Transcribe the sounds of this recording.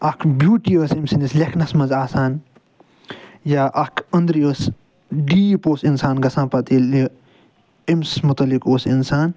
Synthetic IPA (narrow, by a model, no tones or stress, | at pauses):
ɐkʰbjuːʈiəːsimsinislekʰnɐsmɐnzaːsaːn | jaːʔɐkʰɐnd̪ɾiəːs | ɖiːpoːsinsaːnɡɐsãːnpɐt̪il | emsmʊt̪ɐlikoːsinsaːn